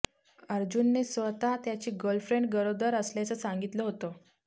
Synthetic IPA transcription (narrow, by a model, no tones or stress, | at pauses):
əɾd͡ʑunːesʋət̪at̪jat͡ɕiːɡolfɾeɳʈ̚ɡəɾod̪əɾəsljat͡səːsaŋɡit̪ləɦot̪o